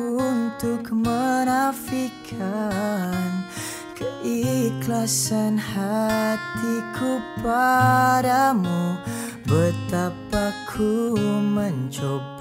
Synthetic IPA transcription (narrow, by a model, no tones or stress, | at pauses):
unt̪ukmənafikʰa | n | kəʔiklasənhat̪ikʰupaɾamu | bət̪apakʰuməɲd͡ʒob